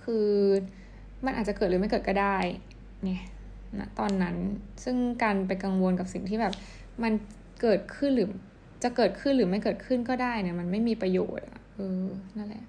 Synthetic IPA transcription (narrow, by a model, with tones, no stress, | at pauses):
kʰɯː˧ | ma˧nʔaː˨˩t͡ɕa˨˩kɤː˨˩ɾɯː˨˦m˥˩jkɤː˨˩t̪̚kɔː˥˩daː˥˩j | ŋɛ˦˥ | na̰˦˥t̪ɔː˧nːa˦˥nsɯ˥˩ŋkaː˧np̬a˧jka˧ŋwo˧nka˨˩p̚si˨˩ŋt̪ʰiː˥˩bɛː˨˩p̚ | ma˧n | kɤː˨˩t̪̚kʰɯ˥˩nɾɯː˩˦ | t͡ɕa˨˩kɤː˨˩t̪̚kʰɯ˥˩nɾɯː˩˦ma˥˩jkɤː˨˩t̪̚kʰɯ˥˩nkɔː˥˩daː˥˩jna˧˩ma˧nma˥˩jmiː˧pɾa˧jo̰ː˨˩t̪̚ʔa̰˨˩ʔɤː˧na˥˩la̰˨˩˨